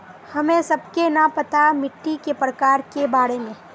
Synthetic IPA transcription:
hɐmẽsɐb̚kenɐpɐt̪amɪʈːikepɾəkaːɾkebaːɾemẽː

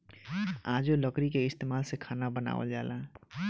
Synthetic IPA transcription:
aːd͡ʒoləkɾikeɪst̪eːmaːlsekʰaːnabəna̰ːʋə̰ld͡ʒa̰ːla

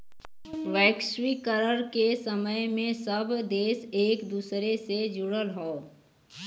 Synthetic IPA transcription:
ʋɛːkʃwikəɾəɾkesəməjmẽsɐbd̪eːseːkd̪uːsɾesed͡ʒʊɽəlɦõː

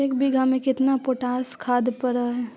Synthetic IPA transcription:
ekbɪɡʱamẽkɪt̪napoʈaːskʰaːd̪pɐɾaɦɛ

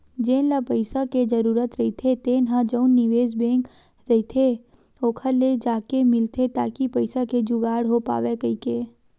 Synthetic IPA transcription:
d͡ʒẽːlapəɪsaked͡ʒəɾuːɾət̪ɾɐɦit̪ʰet̪eːnɦãd͡ʒəʊnːɪʋeːzbẽːŋk | ɾɐɦit̪ʰe | oːkʰəled͡ʒaːkemɪlt̪et̪a̰ːkipɐɪsaked͡ʒuʊɡaːɽɦopa̰ːʋekɐikeː

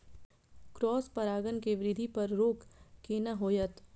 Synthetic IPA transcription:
kɾɔːspɐɾaːɡənkeʋɾɪd̪ʱipɐɾːoːkːeːnɐɦoːjət̪

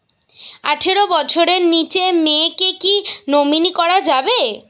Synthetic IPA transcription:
a̰ʈʰeɾobɔt͡ɕʰoɾeɾnit͡ɕemekekinominikɔɾad͡ʑabe

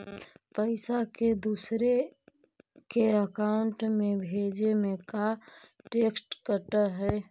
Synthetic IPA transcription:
pəɪsaked̪uːsɾe | keəkaʊɳʈmẽbʱeːd͡ʒemẽkaʈeːksʈkəʈəɦɛ

